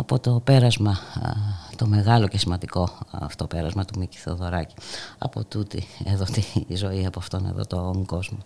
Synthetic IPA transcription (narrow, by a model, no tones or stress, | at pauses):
ɐpo̞t̪o̞pe̞ɾɐzmɐ | t̪o̞me̞ɣɐlo̞ce̞simɐnd̪iko̞ft̪o̞pe̞ɾɐzmɐt̪umici̥θo̞ðo̞ɾɐci̥ɐ̰po̞̰t̪ut̪ḭeðo̞t̪izo̞iɐpoɐft̪o̞nḛðo̞̰t̪o̞ŋɡo̞zmo